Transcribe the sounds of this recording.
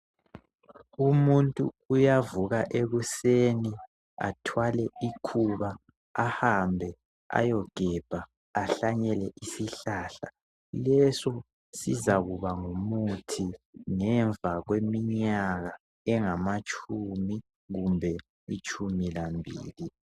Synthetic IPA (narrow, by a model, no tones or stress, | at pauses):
umuntʼuːjavuɣaʔeɣuseni | a̰tʰwalɛikʰuβaː | hambʱɛ | a̰jɔɡ̥ʱɛb̥ʱaː | ɬaɲɛlɛʔisiɬaːɬa | lɛsɔ | sizaɣuβaŋumutʰiŋɛɱvʱaɣwemiɲaɣa | ɛŋamat͡ʃʼʰumi | ɣumbʱɛ | it͡ʃʼumilambʱḭːli